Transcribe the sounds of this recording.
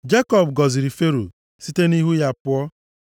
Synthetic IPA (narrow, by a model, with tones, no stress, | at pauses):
d͡ʒe˦kɔ˨b̚ɡɔ˨zi˨ɾi˨fe˦ɾo̰˨ | si˦te˦ni˦ɦu˦ja˨pʊ˦ɔ˦